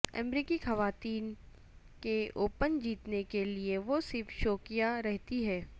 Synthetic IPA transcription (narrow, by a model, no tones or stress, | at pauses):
ɛ̰mɾiːkixɐʋaːt̪iːn | keoːpənd͡ʒiːt̪nekelieʋosɪɾfʃoːkɪjaɾɛɦt̪iɦɛː